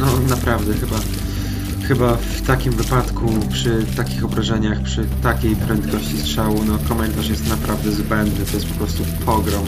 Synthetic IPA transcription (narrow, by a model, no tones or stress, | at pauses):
nɔnapɾavd̪ɛxɘba | xɘbaft̪akʲimvɘpat̪kʰupʂɘt̪akʲixɔbɾaʐɛɲaxpʂɘt̪akʲejpɾɛnt̪kɔɕt͡ɕistʂawunɔkɔmɛnt̪aʂjɛst̪napɾavd̪ɛzbɛnd̪nɘt̪ɔjɛst̪̚pɔ̥pɾɔst̪upʰɔɡɾɔm